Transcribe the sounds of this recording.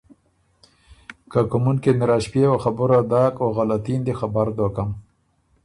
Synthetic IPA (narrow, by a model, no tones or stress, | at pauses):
kakʊmunkenɪɾaʃpjewaxabʊɾad̪ɑːkoɣalat̪ind̪exabaɾd̪okam